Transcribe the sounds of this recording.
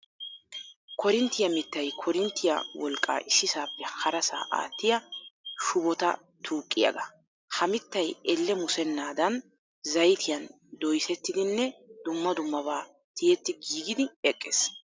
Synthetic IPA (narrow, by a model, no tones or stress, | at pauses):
kʰɔɾɪnt̪ːɪjɐmɪt̪ːɐjkʰɔɾɪnt̪ːɪjɐ̰wɔlkʼːa̰ːʔɪsːɪsaːpːɛhɐɾɐsa̰ːʔa̰ːt̪ːɪjɐʃʊbɔt̪ɐ̰ | t̪ʰuːkʼːɪjɐ̰ɡɐ | hɐmɪt̪ːɐjɛlːɛmʊsɛnːaːd̪ɐn | zɐjt̪ʰɪjɐn | d̪ɔjsɛt̪ːɪd̪ɪnːɛd̪ʊmːɐd̪ʊmːɐbaː | t̪ɪjɛt̪ːɪɡiːɡɪd̪ɪɛkʼːeːs